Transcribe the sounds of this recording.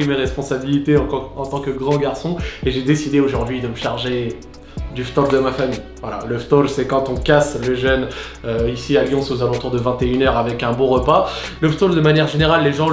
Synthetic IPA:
imeʁɛspɔ̃sabilit̪eɑ̃ɑ̃t̪ɑ̃kəɡʁɑ̃ɡʲaʁsɔ̃eʒed̪esid̪eoʒuʁd̪ɥid̪əməʃaʁʒe | d̪yft̪ɔld̪əmafamij | vwala̰ləft̪ɔlsɛkɑ̃t̪ɔ̃kasləʒœn | øisialjɔ̃sozalɑ̃t̪uʁd̪əvɛ̃t̪eynœʁavɛkɛ̃bõʁəpa | ləft̪ɔld̪əmanjɛʁʒeneʁalːeʒɑ̃

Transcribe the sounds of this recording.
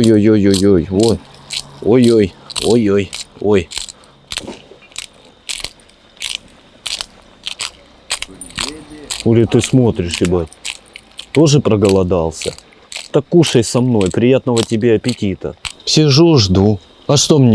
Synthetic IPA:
jojojojojoj | o̞jojojojo̞j | olʲɪt̪ɨsmo̞t̪ɾʲɪʂɪbatʲ | t̪o̞ʐɨpɾəɡəlˠɐd̪ɑlˠsʲə̰ | t̪akːuʂəjsɐmno̞jpɾʲɪjat̪nəvətʲɪbʲe̞ɐpʲɪtʲit̪ə̰sʲɪʐuʐd̪u | ɐʂt̪o̞mnʲ

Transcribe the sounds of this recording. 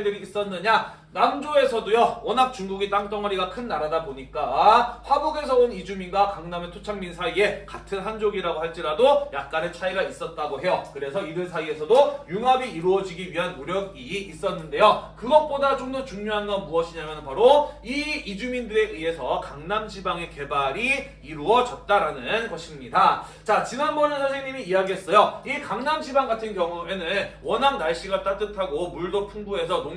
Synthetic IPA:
dɯɾiːs͈ʌnːɯɲa | namd͡ʑoe̞sʰʌdojʌʌnɦak̚t͡ɕuŋɡuɡit͈aŋt͈ʌŋʌɾiɡakʰɯnːaɾadaboɲik͈aɸwaboɡe̞sʰʌonid͡ʑuminɡwakaŋnametʰot͡ɕʰaŋminsʰaie̞katʰɯnɦand͡ʑoɡiɾaɡohaɭt͡ɕ͈iɾadojak̚k͈anet͡ɕʰaiɡais͈ʌt̚t͈aɡoɦe̞jʌkɯɾe̞sʰʌidɯɭs̬ʰaie̞sʰʌdojuŋabiiɾuʌd͡ʑiɡiɥiɦanmuɾjʌɡiis͈ʌnːɯnde̞jokɯɡʌt̚p͈odat͡ɕomdʌt͡ɕuŋɲoɦanɡʌnmuʌɕʰiɲamjʌnɯnpaɾoiid͡ʑumindɯɾe̞ʔɯɦe̞sʰʌkaŋnamɕʰibaŋe̞ke̞baɾi | iɾuʌd͡ʑʌt̚t͈aɾanɯnɡʌɕʰimɲida | t͡ɕat͡ɕinanbʌnɯnsʰasʰeŋɲimiːjaɡiɦes͈ʌjoikaŋnamɕʰibaŋɡatʰɯnkjʌŋue̞nɯnnwʌnɦaŋnaɭɕ͈iɡat͈at͈ɯtʰaɡomuɭdopʰuŋbuɦe̞s̬ʰʌno

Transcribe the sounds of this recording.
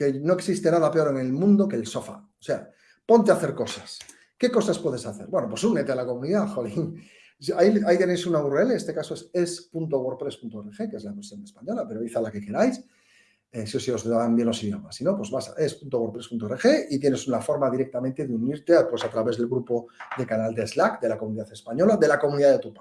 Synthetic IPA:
ke̞no̞eksist̪e̞naðape̞o̞ɾe̞ŋe̞lmũnd̪o̞keːlso̞fa̰ose̞a | po̞nt̪eaθe̞ɾko̞sas | ke̞ko̞saspwe̞ð̞e̞saθe̞ɾbweno̞pwo̞sune̞t̪elako̞mũniðaxoɣiŋ | saiait̪je̞nejsunaβureleest̪e̞kaso̞esespunt̪oɣo̞ɾpɾe̞spunt̪oerexe̞kee̞zlaeβosjonespaɲo̞lape̞ɾoiθalake̞ke̞ɾajs | esio̞sio̞zambjelːo̞siðjomasino̞pwe̞zβasa̰ʔe̞spunt̪oo̞ɾpɾepunt̪orexe̞it̪je̞ne̞sunafo̞ɾmaðiɾe̞k̚t̪amẽnt̪e̞ðeuniɾt̪eapwe̞sat̪ɾaβe̞zðelɣɾupo̞d̪e̞kanald̪ezlakd̪e̞lakomuniðaθe̞spaɲo̞laðe̞lako̞mũniðaðet̪upḁ

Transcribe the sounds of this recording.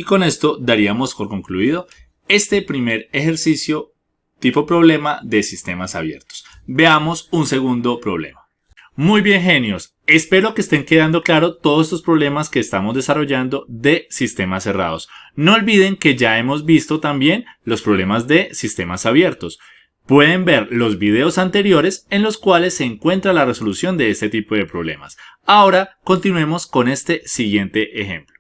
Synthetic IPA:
iko̞ne̞st̪o̞d̪aɾiamo̞spo̞ɾkõ̞ŋkluiðo̞ | e̞st̪e̞pɾime̞ɾe̞xe̞ɾsisjo̞ | t̪ipo̞pɾo̞βle̞maðe̞sist̪e̞masaβje̞̰ɾt̪o̥s | be̞amo̞sunse̞ɣund̪o̞pɾo̞β̞le̞̰ma | mujbje̞ŋxe̞njo̞s | e̞spe̞ɾo̞keːst̪e̞ŋke̞ðand̪o̞klaɾo̞t̪oðoseslospɾo̞βle̞maske̞ːst̪amozd̪e̞saro̞ʝand̪o̞ðe̞sist̪e̞mase̞ra̰ð̞o̞snoolbiðe̞ŋke̞ʝae̞mo̞zbist̪o̞t̪ambje̞nlo̞spɾo̞βle̞mazd̪e̞sist̪e̞masaβje̞ɾt̪o̞s | pwe̞ðe̞mbe̞ɾlo̞zbiðe̞osant̪e̞ɾjo̞ɾe̞se̞nlo̞skwale̞sːe̞ːŋkwe̞nt̪ɾalare̞so̞lusjo̞nd̪e̞est̪et̪ipo̞ðe̞pɾo̞βle̞̰ma̰s | ao̞ɾako̞nt̪inue̞mo̞sko̞ne̞st̪e̞siɣje̞nt̪e̞ʔexe̞mplo

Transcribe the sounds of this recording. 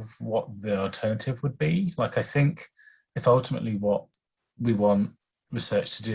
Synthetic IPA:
vwɒʔðiəlˠtʰɜːnətʰɪvwəd̚bilaɪkaɪθɪ̃ŋk | ɪfʌlˠtɪmə̰ʔliwɒʔ | wiwɒ̃nʔ | ɹɪsɜˑt͡ʃtʰədʉ

